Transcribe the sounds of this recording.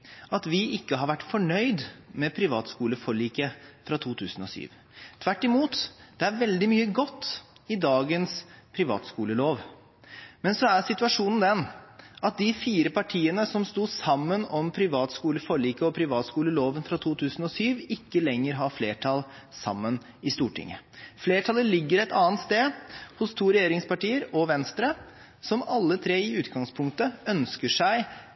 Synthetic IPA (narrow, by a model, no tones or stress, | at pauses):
ɑt̪ʋɪʔɪkːəɦɑɾʋæʈːfɔɳœʏd̪mɛpʰɾɪʋɑːt̪skuːləfɔɭiːkəfɾɑt̪ʰuːt̪ʰʉːsn̩ɔ̰sy̰ːʋ | t̪ʰʋæʈːɪmuːt̪d̪̥ɛæɾʋɛld̪ɪmyːəɡɔt̪ːɪd̪ɑːɡənspʰɾɪʋɑ̰ːt̪skuːləloːʋ | mɛnsɔæɾsɪt̪ʉɑʂuːnənd̪ɛnʔɑt̪̚d̪ɪfiːɾəpɑʈʰiːənəsɔmst̪uːsɑmːənɔmpʰɾɪʋɑːt̪skuːləfɔɭiːkəɔpʰɾɪʋɑːt̪skuːləloːʋənfɾɑt̪ʰuːt̪ʰʉːsn̩ɔsyːʋɪkːəlɛŋːəɾɦɑɾfleːʈʰɑl | sɑ̰mːən | ɪst̪uːʈʰɪ̰ŋːə̰fleːʈʰɑːləlɪɡːəɾɛt̪ɑːnt̪st̪eːhʊst̪ʰuːɾɛjeːɾɪŋspɑʈiːəɾɔʋɛnst̪ɾə | sɔmɑlːət̪ʰɾeːɪʉːt̪ɡɑŋspʰʊŋk̚t̪əœnskəʂæɪ